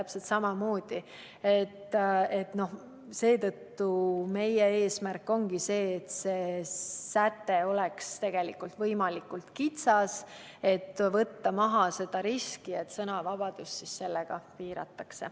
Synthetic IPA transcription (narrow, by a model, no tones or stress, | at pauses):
æpselt̪sɑmɑmo̞ːd̪̥i | e̞t̪ːe̞t̪no̞h | se̞ːt̪ɤt̪ːume̞jeeːsmærkːo̞ŋɡ̥ise̞ːt̪se̞ːsæt̪ːeo̞lekst̪e̞ɡ̥e̞likːult̪vɤjmɑlikːult̪kit̪sɑs | e̞t̪ːvɤt̪ːɑmɑɦɑse̞d̪ɑɾiskie̞t̪sɤnɑvɑb̥ɑd̪̥ust̪sisse̞lːeɡ̥ɑpiːɾɑ̰t̪ːˑɑkse̞